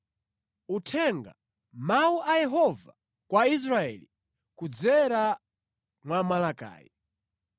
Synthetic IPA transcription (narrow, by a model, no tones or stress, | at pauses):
utʰɛŋɡa̰ | mauʔajɛɦɔva | kwais̬ɾaɛ̰li | kud͡zɛɾa | mwamalaka̰ːji